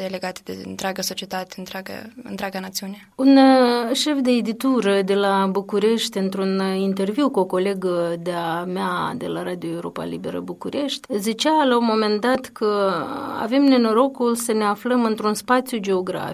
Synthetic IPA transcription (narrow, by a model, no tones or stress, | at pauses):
ele̞ɡat̪ed̪ḛɨnt̪ɾʲeaɡəso̞t͡ʃie̞t̪at̪eɨnt̪ɾaɡə̰ɨ̰nt̪ɾʲeaɡanat̪siuneunʃe̞fd̪e̞ːd̪it̪uɾəd̪e̞labukuɾe̞ʃt̪ʲɨnt̪ɾunint̪e̞rviwkuo̞ko̞le̞ɡəd̪eamead̪e̞̰laɾad̪io̞e̞wɾo̞̰pa̰libe̞̰ɾə̰bukuɾe̞ʃt̪ʲzit͡ʃalaumo̞me̞nd̪at̪kʰəa̰ve̞mnenoɾo̞kulsəne̞afləmɨnt̪ɾunspat̪sjud͡ʒe̞oɡɾa̰